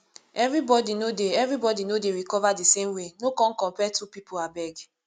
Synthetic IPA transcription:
ɛvɹibɔdinodeɛvɹibɔdinodeɾikɔvadisemwenokɔ̃n̩kɔ̃mpɛtupipʰoabɛɡ

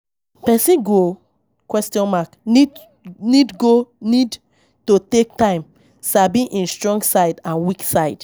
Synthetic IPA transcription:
pɛsĩɡo | kwɛstiɔ̃nmaknid | nidɡonid | totek̚tãɪ̃m | sabĩʔĩnstɹɔ̃ŋɡsaɪdãnwiksaɪd̥

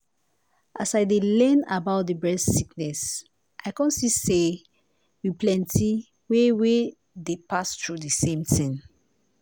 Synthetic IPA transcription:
ʔasaɪdelɛ̃na̰baʊt̚dəbɹɛssiknɛs | ʔaɪkɔ̃nsise | wipʰlɛ̃ntʰi | wewe | depastɹudəsẽmtʰĩŋ

